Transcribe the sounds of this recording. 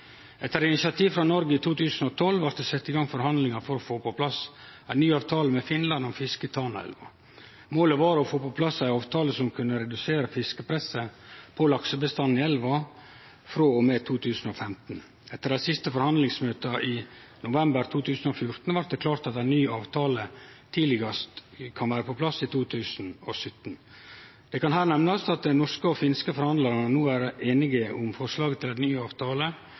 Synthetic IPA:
ɛt̪ːəɾɪnɪsɑt̪ʰiːʋfɾɑnɔɾɡəɪt̪ʰuːt̪ʰʉːsn̩ɔt̪ʰɔlʋɑɾt̪d̪ɛsɛt̪ːɪɡɑŋfɔɾhɑnd̪lɪŋɑfɔɾɔfoːpɔpʰlɑs | æɪnyːɑːʋt̪ʰɑːləmɛfɪnlɑnɔmfɪskət̪ʰɑːnəɛ̰lʋɑ̰ | moːləʋɑːɾɔfoːpɔpʰlɑsæɪɑːʋt̪ʰɑːləsɔmkʰʉnːəɾɛd̪ʉseːɾəfɪskəpʰɾɛsəpʰɔlɑksəbəst̪ɑnːɪɛlʋɑ | fɾoːɔmet̪ʰuːt̪ʰʉːsn̩ɔfɛmt̪n | ɛt̪ːəɾæsɪst̪əfɔɾhɑnd̪lɪŋsmøːt̪əʔɪ | nʊʋɛmbəɾt̪ʰuːt̪ʰʉːsn̩ɔfjʊɾt̪n̩ʋɑɾd̪əkʰlɑːɾt̪ɑt̪æɪnyːɑːʋt̪ʰɑːlət̪ʰiːlɪɡəst̪kʰɑnʋæːɾəpʰɔpʰlɑsit̪ʰuːt̪ʰʉːsn̩ɔsʏt̪ːn̩ | d̪̥ɛkɑnɦæːɾnɛmnɑsɑt̪̚d̪ɛnɔʂkəɔfɪnskəfɔɾhɑnd̪lɑɾnənuːæːɾeːnɪɡəʔʊmfɔʂlɑːɡət̪ʰɪlænyːɑːʋt̪ʰɑːlə

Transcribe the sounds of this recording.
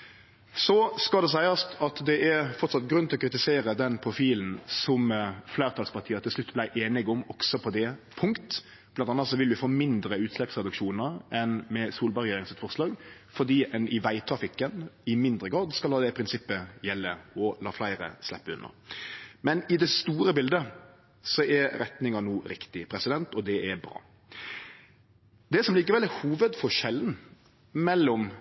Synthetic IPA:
sɔskɑld̪ɛs̬æɪɑst̪ʰɑt̪d̪ɛʔæɾfɔɾt̪sɑt̪ːɡɾʉnɪlɔkʰɾɪt̪ɪseːɾəd̪ɛnpʰɾʊfiːln̩sɔmflæɪɾt̪ʰɑːlspɑʁt̪iːət̪ʰɪlslʉt̪ːblæɪʔeːnɪɡʊmɔksɔpʰɔd̪ɛpʰʊŋkt̪ | b̥lɑnɑnːət̪sɔʋɪlʋɪfoːmɪnd̪ɾəʉːt̪slɛpsʁɛd̪ʉkʃuːnəɾɛnmɛsuːlbɑʁɛeːɾɪŋsɛt̪fɔʁslɑːɡ | fɔd̪iːʔɛnʔɪʋæɪt̪ʰɾɑfɪkːənɪmɪnd̪ɾəɡɾɑːd̪skɑlɑːd̪ɛpʰɾɪnsɪpːəjɛlːəɔlɑːflæɪɾə̰slɛpːəʉ̰nːə̰ɾmɛnɪd̪ɛst̪uːɾəbɪld̪ə | sɔʔɛɾɛt̪nɪŋɑnuːɾɪkt̪ɪpʰɾɛsɪd̪ɛnt̪ɔd̪ɛʔɛbɾɑ̰ː | d̪ɛsɔmliːkəʋɛlɛhuːʋəd̪fɔʂɛlːn | mɛlːɔm

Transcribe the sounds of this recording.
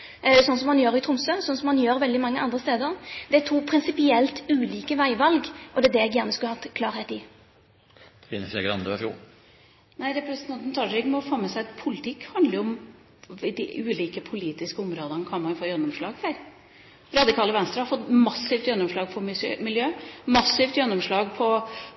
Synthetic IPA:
sɔnsɔmhɑnjøːɾɪt̪ʰɾʊmsøːsɔnsɔmhɑnjøːɾʋɛld̪ɪmɑŋːəʔɑnd̪ɾəst̪eːd̪əɾd̪ɛt̪ʰuːpʰɾɪnsɪpɪɛlt̪ʉːliːkəʋæɪʋɑlɡʔɔd̪ɛd̪ɛɛɡjæʁnəskʉləhɑkʰlɑːɾheːt̪ɪ | ɪnsɛ̰ɡɾɑ̰nd̪ʉæfṵ | næɪɾɛpɾɛsnt̪ʰɑnt̪n̩t̪ʰɑʃɾɪɡmɔfoːmɛsæɪt̪pʰʊlɪt̪ʰɪkːhɑnd̪ləʊʊm | ɪd̪ɪʔʉːliːkəpʰʊliːt̪ɪskəʊmɾoːd̪ənkʰɑnmɑnjʊfoːjœnːɔmʂɭɑːɡfɛɾ | ɾɑd̪ɪkʰɑːləʋɛnst̪ɾəhɑɾfɔt̪mɑsːɪft̪jɛnːɔmʂlɑːɡ̚pʰɔmɪsømɪljøːmɑsɪft̪jœnːɔmʂlɑːɡpʰɔ

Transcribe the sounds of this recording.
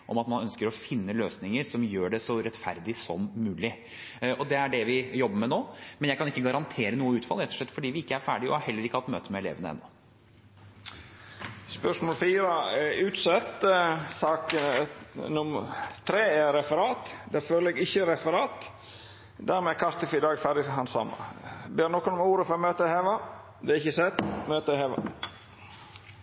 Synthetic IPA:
ʔɔmɑt̪mɑnœnskəɾɔfɪnːəløːsnɪŋəɾsɔmjøːɖɛsɔɾɛt̪fæ̰ɾd̪ɪsɔmːʉːlɪ | ʔɔd̪ɛæɖɛʋɪjɔbːəmɛnoːmɛnjæɪkʰɑnɪkːəɡɑɾɑnt̪ʰeːɾənuːəʉːt̪fɑlːɾɛt̪ːɔʂɭɛt̪ːfɔɖiːʋɪɪkːəæɾfæːɖɪɔ̰hɑɾhɛlːəɾɪkːəhɑt̪møːt̪əmɛɛlḛːʋənə̰ɛ̰nːɔ | spœʂmoːlfiːɾəʉːt̪sɛt̪ːsɑːkənɔmt̪ʰɾeːɛɾɛfəɾɑːt̪d̪æføːləɛɡɪçəɾɛfəɾɑːt̪ | d̪æɾmɛːkʰɑst̪əfɪd̪ɑːɡfæd̪ɪɦɑnsɑ̰mːə̰beːɾnɔkɔnɔmuːɾəfɔɾɔmøːt̪əheːʋɑ | d̪ɛɪçːəsɛt̪ːmøːt̪əheːʋɑ̰

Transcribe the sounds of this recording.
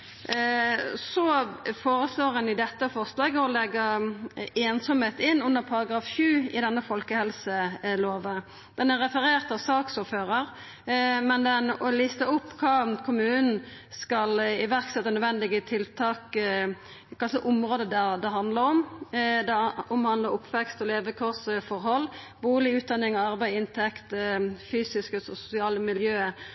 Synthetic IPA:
sɔfoːɾəsloːɾɛnɪd̪ɛt̪ːəfɔʁslɑːɡəɔlɛɡːə | eːnsɔmheːt̪ɪnːʉnːəɾpʰɑɾɑɡɾɑːfʃʉːɪd̪ɛnːəfɔlkəhɛlsəloːʋə | d̪̥ɛnæɾʁɛfəɾeːʁt̪ɑʋsɑːksʊːføːɾəʁ | mɛnd̪ɛnɔlist̪əʊpːkʰɑːkʰʊmʉːnn̩skɑlɪʋæʁksɛt̪ːɑnœd̪ʋɛnd̪ɪɡət̪ʰɪlt̪ʰɑːk | kʰɑlsəʔʊmɾoːd̪əd̪æd̪ɛɦɑnd̪ləɾɔmd̪ɛɔmhɑnd̪ləɾʊpʰːʋɛkst̪ɔleːʋəkʰʊʁsfɔɾhɔlː | buːlɪʉːt̪̚d̪ɑnːɪŋɔɑʁbæɪɪnt̪ʰɛkt̪fyːsɪskəsɔsʊ̥sɪɑːləmɪljøː

